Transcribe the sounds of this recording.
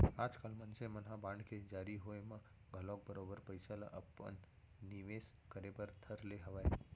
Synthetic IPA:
aːd͡ʒkalmənsemənɦabãɳɖked͡ʒaɾiɦoemã | ɡʱəlok̚bəɾobəɾpəjsala̰ʔəpːə̰nː | iʋes | kəɾepəɾt̪ʰəɾleɦəʋae

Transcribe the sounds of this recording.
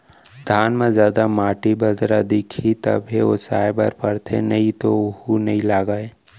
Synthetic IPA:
d̪ʱaːnmẽzjaːd̪amaːʈibəd̪ɾad̪ekʰit̪ə̰bʱeosa̰ːjbaɾpəɾt̪ʰḛnəɦĩt̪ohunɐĩlaːɡaːe

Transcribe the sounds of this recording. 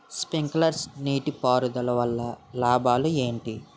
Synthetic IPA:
spiŋklɐɾsniːʈipaːɾud̪ɐlɐʋɐlːɐlaːbaːlue̞ːɳʈi

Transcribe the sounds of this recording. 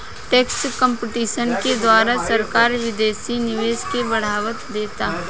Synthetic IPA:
ʈeːksʈkə̃mpɪʈiːʃənked̪waːɾasɐɾkaːɾʋɪd̪eːsinɪʋeːʃkebɐɽ̤aːʋət̪d̪eːt̪aːɦ

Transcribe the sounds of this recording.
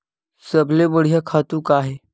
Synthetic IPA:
səbʱlebəɽ̤ijakʰat̪ukaːɦe

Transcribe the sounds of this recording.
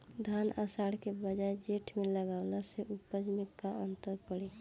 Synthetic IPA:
d̪ʱaːna̰saɽkebəd͡ʒaːed͡ʒeʈʰmẽləɡaːʊlaseʔupəd͡ʒmɪkaənt̪əɾpəɽe

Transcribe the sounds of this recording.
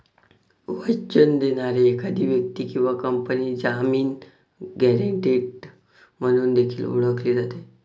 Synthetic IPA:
ʋət͡ɕənd̪eñaɾeːkad̪ʱiːʋjək̚t̪iːkĩw̃ʋakəmpəniːd͡zamiːn | ɡɛɾeɳʈiːɖ | m̤əɽ̃uːnd̪ekʰḭːlṵɭəkliːd͡zat̪e

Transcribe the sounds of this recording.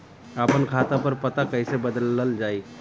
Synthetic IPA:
əpənkʰat̪ãpəɾpət̪akəjsebəd̪ləld͡ʒai

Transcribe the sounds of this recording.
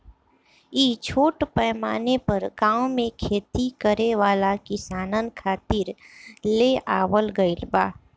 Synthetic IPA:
iːt͡ʃʰoːʈpɛːmaːnepəɾɡãːõmẽkʰeːt̪ikəɾeʋaːlakɪsaːnənkʰaːt̪ɪɾleʔaːwəlɡəɪlbaː

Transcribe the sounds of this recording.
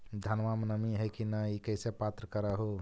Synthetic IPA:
d̪ʱənʋamnəmiɦəjkinəikəɪsepat̪ɾəkəɾəɦu

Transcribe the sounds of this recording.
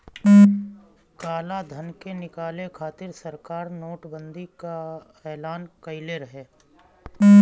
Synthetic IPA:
kaːlad̪ʱənkenɪkaːlekʰaːt̪ɪɾsɐɾkaːɾnoːʈbə̃nd̪ika | ɛːlaːnkɐɪleɾəɦeː

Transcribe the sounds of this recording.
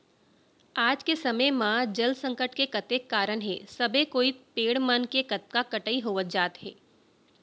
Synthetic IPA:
aːd͡ʒkesɐməjmãd͡ʒɐlsɐ̃ŋkəʈkekɐt̪eːkːaːɾəɳɦḛːsɐbʱekoːipeːɽmənkekɐt̪̚kakɐʈəiɦoːʋət̪̚d͡ʒaːt̪ɦɛ̰ː

